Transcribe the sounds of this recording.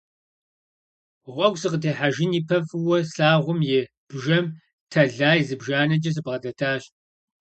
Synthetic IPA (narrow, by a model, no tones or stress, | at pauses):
ʁʷɔɡʷsɨqətʰeːħaʒɪniːpʰɐfɨwɔsaːʁʷʊmjɪ | b̥ʒɐm | tʰɐɮaːjzɨbʒaːnɐd͡ʒʼɐs̬ɨbʁɐdɐtʰaːɕ